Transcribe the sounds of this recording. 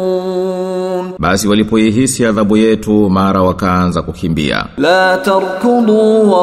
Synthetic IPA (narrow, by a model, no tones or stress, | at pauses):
ɓasiwalipɔjiɦisiaðaɓujɛtumaɾawakaanzakukimbḭa̰laːtɑɾkʊduːwa